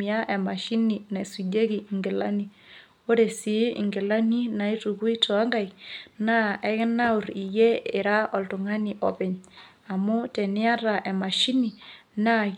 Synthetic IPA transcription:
i˨a˦ʔɛ˨ma˨ʃi˦ni˨na˨su˨de˦ki˨ŋɡe˨la̰˦ni˨ | o˦ɾe˨si˨˦ḭ˨ŋɡe˨la˦ni˦na˨i˦tu˨ku˦i˦tɔ˨a˦ŋɡa˦˨jna˦ɛ˦kɛ˦na˦u˨ɾi˨jɛ˦ɪ˨ɾa˦ɔ˨ltu˨ŋa˦ni˨ʔɔ˨pɛ˨ɲ | a˨mu˦tɛ˨nɪ˦a˦ɾa˨ʔɛ˨ma˨ʃi˦ni˨na˦

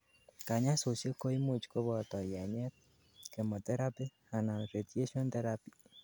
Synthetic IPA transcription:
ka˨ɲa˦so˨sje˦ko˦i˦mu˨t͡ʃko˦βɔ˨tɔ˨ja˨ɲɛ˦t̚ | ke˨mo˨tɛ˦ɾa˦pi˦ | a˨na˨n˨ɾe˨tje˦ʃo˦nt̪ɛ˦ɾa˦pi˨

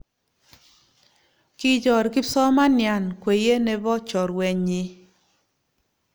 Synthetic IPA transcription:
kɪ˦d͡ʒɔ˨ɾkɪ˦sɔ˦ma˦nja˨nkwe˨je˦nɛ˦bɔ˦t͡ʃɔ˨ɾwɛ˨ɲɪ˦

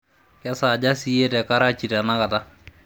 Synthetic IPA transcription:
kɛ˦sa˨d͡ʒa˦si˦je˦tɛ˨ka˦ɾa˦t͡ʃi˨ta˨na˦ka˨ta˦

